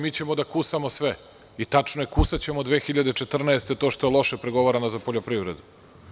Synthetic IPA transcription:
miːt͡ɕe̞mod̪akusamosʋe | it̪at͡ʂnojekusat͡ɕemod̪ʋeːxiʎad̪e̞t͡ʂet̪r̩naest̪e̞t̪oːʃt̪oelˠo̞ʃepɾeɡo̞ʋaɾanozapoʎopɾiʋɾed̪u

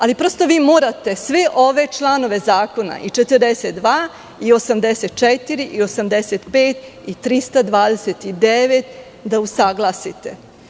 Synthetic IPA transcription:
alipɾo̞st̪o̞ʋiːmoːɾat̪e̞sʋeʔo̞ʋe̞t͡ʃlˠano̞ʋe̞zaːko̞na̰ʔit͡ʃet̪ərd̪eset̪̚d̪ʋaː | io̞samd̪eset̪̚t͡ʃɛt̪iɾiʔio̞samd̪eset̪peːt̪it̪ɾist̪ad̪ʋaːd̪eset̪id̪eʋet̪ | d̪ausaɡlˠasit̪e

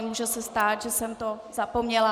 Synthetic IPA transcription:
muːʒɛsɛst̪aːt̪ʒɛsɛmt̪ozapomɲɛla

